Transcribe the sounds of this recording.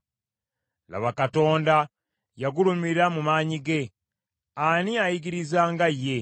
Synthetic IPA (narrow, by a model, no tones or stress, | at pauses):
la̰βakato̞ːnda | jaɡulumiɾamumaːɲiɡe̞ | aniajiɡiɾizaːŋɡajːe̞